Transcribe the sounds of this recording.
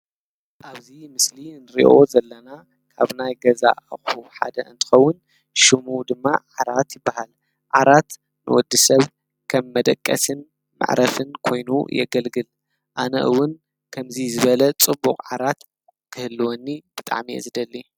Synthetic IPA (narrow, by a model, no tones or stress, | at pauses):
ʔaβzimɨslinɨɾḭʔo̞zɐlːɐna | kʰaβnajɡɐza̰ʔxuħa̰d̪ɐ̰ɨ̰nt̪ʰɨ̥xɐwːʊn | ʃɨmud̪ɨmːaʕaɾat̪jɪbːahal | ʕaɾat̪ | nɨ̰wɔd̪ːisɐβ | kʰɐmːɐd̪ɐkʼːɐ̰sɨn | mɨ̰ʕɾʔɐfɨnkʰo̞jnṵjɛ̰ɡɐlɡɨl | ʔanɐ̰ʔɨ̰wːʊn | kʰɐmzizɨβɐlɐt͡sʼɨbːukʼʕaɾat̪ | kʰɨhɨlːɨwonːib̥ɨt̪ʼa̰ʕmiʔɛ̰zɨd̪ɐlːi